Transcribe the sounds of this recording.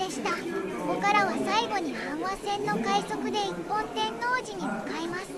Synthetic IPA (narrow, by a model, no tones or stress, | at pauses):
e̞ɕi̥t̪akoko̞kaɾaβasaiɡo̞ɲ̟ihãɰ̃βasẽ̞nːo̞kaiso̞kɯ̟d̪e̞ipːõ̞nt̪ẽ̞nːo̞ːʑiɲ̟imɯkaemasɨ̥